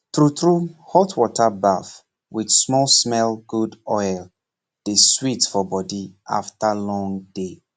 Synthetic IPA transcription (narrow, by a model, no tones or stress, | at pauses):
tɹutɹuhɔtwɔtʰabaf | wid̥smɔlsmɛlɡudɔjl | d̥eswitfɔbɔdiʔa̰ftalɔ̃ŋde